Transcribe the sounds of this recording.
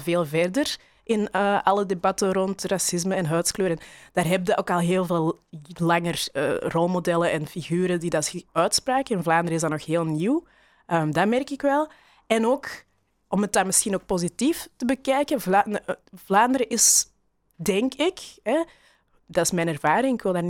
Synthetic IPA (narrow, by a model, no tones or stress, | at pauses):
veːlˠvɛrdər | ʔɪnəʔɑlˠədebɑtəɾɔntrasɪzməɛnɦœːtskløːɾənd̥aːrɦɛbədəʔoːkɑlˠɦeːlˠveːlˠlɑŋərə̰ːrɔlˠmodɛlənɛnfiɣyːɾədidɑtœːtspraːkənvlaːndəɾəɪzdɑnɔxɦeːlˠniw | ʔəːmdamɛrkɪkʋɛlˠ | ɛnoːk | ɔmət̚danmɪsxinoːk̚pozitiftəbəkɛjkənvanvlaːndəɾəʔɪs | dɛŋkɪkɛ | dɑtɪsmɛnɛrvaːɾɪŋɪkʋɪlˠdaːr